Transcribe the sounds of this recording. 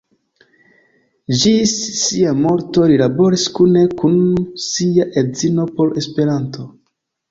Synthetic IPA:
d͡ʒisːiamo̞ɾto̞lilabo̞ɾiskune̞kunsiaʔe̞zino̞po̞ɾe̞spe̞ɾanto̞

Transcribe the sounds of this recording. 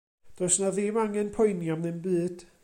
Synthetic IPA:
d̥ɔsnaðɪmaŋɛnpʰɔjnjɔmnɨnbɨːd̥

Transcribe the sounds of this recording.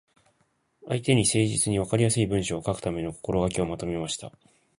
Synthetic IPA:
ait̪e̞ɲ̟ise̞ːʑit͡sɨɲ̟iβakaɾʲijasɨibɯ̃ɰ̃ɕoːkakɯ̥t̪ame̞no̞ko̥ko̞ɾo̞ɡakʲio̞mat̪o̞me̞maɕi̥t̪a̰

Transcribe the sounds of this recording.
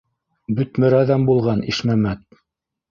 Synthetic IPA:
bɵ̆t̪mɵ̆ɾæðæmbulˠʁɑniʃmæmæt̪̚

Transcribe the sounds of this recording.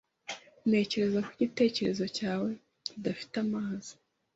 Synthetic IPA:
ne̞ːce̞ɾe̞zakwiɟite̞ːce̞ɾe̞zo̞caːwe̞ | idafi̥tamaːzi̥

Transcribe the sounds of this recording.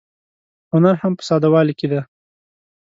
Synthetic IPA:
hʊnaɾhampə̥sɑd̪awɑliked̪a

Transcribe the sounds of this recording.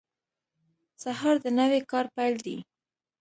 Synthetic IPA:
sahɑɾd̪ənəwekɑɾpajld̪ḭ

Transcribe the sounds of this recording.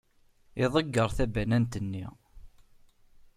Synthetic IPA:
ɪðˤəɡːəɾˤθæbænænt̪ənːḭ

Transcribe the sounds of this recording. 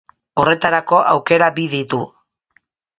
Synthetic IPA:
o̞re̞t̪aɾako̞ʔa̰wke̞ɾabiðit̪u

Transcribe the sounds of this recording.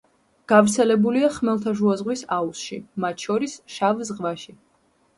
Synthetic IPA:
ɡ̥avɾt̪sʰɛlɛbuliaχmɛlˠt̪ʰaʒuazʁwisausʃḭmat̪ʰʃɔɾisʃavzʁvaʃi

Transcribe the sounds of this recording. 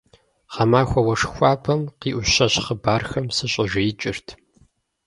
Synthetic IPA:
ʁɐmaːxʷɐwɐʂxʷɑːpʰɐmqiːʔʷʊɕɐɕχəbaːrxɐmsɨɕʼɪʒɪjɪt͡ʃʼɪrtʰ

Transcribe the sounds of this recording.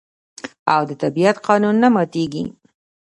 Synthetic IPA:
awd̪ət̪abiat̪qɑnunːamɑt̪eɡḭ

